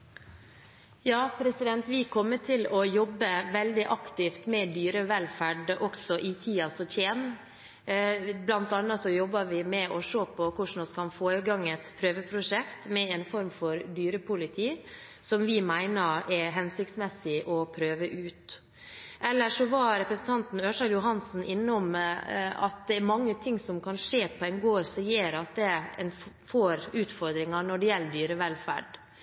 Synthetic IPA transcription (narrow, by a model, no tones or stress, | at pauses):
jɑːpʰɾɛsɪd̪ɛnt̪ʋɪkʰɔmːət̪ʰɪlɔjɔbːəʋɛld̪ɪʔɑkt̪ɪft̪mɛd̪yːɾəʋɛlfæɖʔɔksɔʔɪt̪ʰiːɑsɔt̪ʰjeːn | blɑnt̪ɑnːɑsɔjɔbːɑɾʋɪmɛɔʂoːpʰɔkʊʂn̩ɔskʰɑnfoːɾəɡɑŋːɛt̪pʰɾøːʋəpʰɾʊʂɛkt̪mɛɛnfɔɾmfɔɾd̪yːɾəpʰʊlɪt̪ʰiː | sɔmʋɪmæɪnəɾɛɾɦɛnsɪk̚t̪smɛsɪʔɔpʰɾøːʋəʔʉːt̪ | ʔɛlːəʂɔʋɑɾɛpɾəsn̩t̪ʰɑnt̪n̩øːʂɑjʊɦɑnsn̩ʔɪnːəɔm | ɑ̰t̪̚d̪ɛæɾmɑŋːət̪ʰɪŋːsɔmkʰɑnʂeːpʰɔɛnɡoːɾsɔjeːɾɑt̪̚d̪ɛɛ̰n | foːɾʉːt̪fɔɾd̪ɾɪŋɑnɔɖɛjɛlːəd̪yːɾəʋɛlfæ̰ɖ